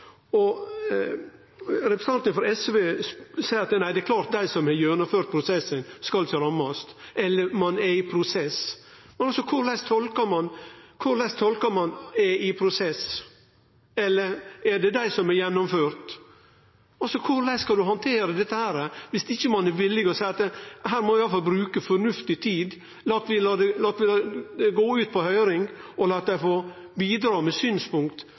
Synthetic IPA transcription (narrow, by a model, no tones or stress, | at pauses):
ɔ | ɾɛpɾɛ̥sɑnt̪ənfɔɾɛsʋeːsæɪəɾɑt̪næɪd̪ɛæɾkʰlɑːɾt̪̚d̪æɪsɔmɛɾjœnʊføːɾt̪̚pʰɾʊsɛsənskɑlt̪ʰːɾɑmːɑst̪ʔɛlːəɾmɑnɛɾɪpʰɾʊsɛs | mɛnɔlsɔkʰʊɾlɛst̪ʰɔlkəɾmɑnkʰʊɾlɛst̪ʰɔlkəɾmɑnɛʔɪpʰɾʊsɛs | ɛlːəɾɛɖɛd̪æɪsɔmɛɾjɛnːʊmføːɾt̪ | ɑlsɔkʰʊɾlɛɪskɑld̪ʉɦɑnt̪ʰeːɾəd̪ɛt̪ːəhæːɾəʋɪsɪçːəmɑnɛɾʋɪlːɪɡɔsæɪɑt̪ɦæːɾmɔɪɑləfɑlbɾʉːkəfɔɾnʉft̪ɪt̪ʰiːd̪ | lɑːt̪ʋɪlɑd̪ɛlɑːt̪ʋɪlɡoːʉːt̪̚pʰɔhœʏɾɪŋɔlɑːt̪̚d̪æɪfoː | biːd̪ɾɑːmɛsyːnspʊŋkt̪